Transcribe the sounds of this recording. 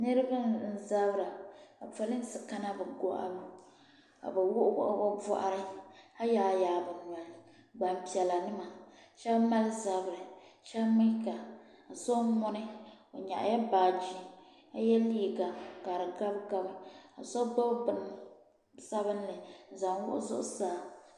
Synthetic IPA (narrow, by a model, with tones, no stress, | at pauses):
nɨ˦ɾɨ˦ba˦n˨n̩˦za˦bɾa˨a˨pa˦lɨ˦n˦sɨ˨ka˦na˦bɨ˨ɡo˦ʔa̰˦lu˦ | ka̰˨bɨ˨wʊ˦ʔʊ˦ʔbɔ˦vɔ̰˦ʔa̰˦ɾɨ˦a˦jaː˨jaː˨bɨ˨nu˨a˨ | ɡ͡ba˨mpi˨ɛ˨la˨nɨ˦ma˨ʃɛ˦bma˦lɨ˦za˨bɾɨ˨ʃɛ˦bmi˦ka˨ | a˨sɔ˦mɔ˦nɨ˦o˨ɲa̰˨ʔa̰˨ja˦baː˨d͡ʒi˦ | a˦jɛ˦liː˦˨ɡa˨ka˨ɾɨ˨ɡa˦bka˦bɨ˦a˨sɔ˦ba˦bbɨ˨n˨˦ | sa˦bɨ˦n˦lɨ˨za˨ŋwʊ̰˦ʔʊ̰˦zʊ̰˦ʔʊ̰˦saː˦˨